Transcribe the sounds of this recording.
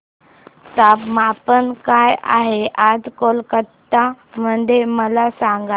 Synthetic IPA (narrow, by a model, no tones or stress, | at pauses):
t̪apmapənkaja̰ɦeʔad͡zkolkət̪ːa | məɳd̪ʱeməlasãŋɡa